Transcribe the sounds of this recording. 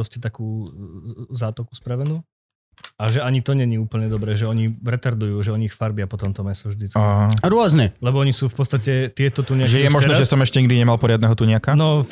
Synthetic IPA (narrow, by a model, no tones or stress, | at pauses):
ɾɔscɛt̪akuː | zaːt̪ɔku̥spɾaʋɛnuː | aʒɛaɲit̪ɔɲɛɲiːuːpl̩ɲɛd̪ɔbɾɛːʒɛɔɲiɾɛt̪aɾd̪ujuːʒɛɔɲixfaɾbɪapɔt̪ɔmt̪ɔmɛsɔvʒd̪it͡skaɾʊɔznɛlɛbɔɔɲisuːfpɔt̪st̪acɛt̪ɪɛt̪ɔt̪uɲɪaʒɛjɛmɔʒnɛʒɛsɔmɛʃcɛɲiɡd̪iɲɛmalˠpɔɾɪad̪nɛɦɔt̪uɲɪakanɔ